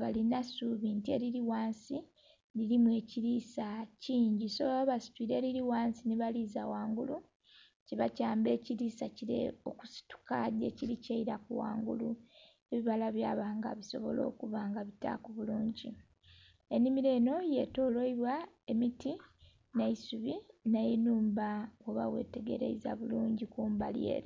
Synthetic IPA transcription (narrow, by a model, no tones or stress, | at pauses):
βalinasuβintie̞̰ɾiɾiwaːnsi | liɾimuwe̞ːciɾiːsaciːɲɟisoβaβasi̥piɾe̞ɾiɾiwaːnsiniβaliza̰waːŋɡulu | ciβacaːmbe̞ciɾiːsaciɾḛo̞̰ku̥si̥tu̥kadḛcilicaiɾakuwa̰ːŋɡṵlu | e̞βiβalaβjaːβaːŋɡa̰βiso̞̰βo̞̰lo̞̰ːkuβaŋɡaβita̰kuβuluːɲɟi | enimiɾeːno̞je̞to̞ːloiβwaemiti | naisuβinajenuːmbawoβa̰we̞̰te̞ɡe̞ɾḛiza̰βuluːɲɟikuːmbalie̞̰ːɾe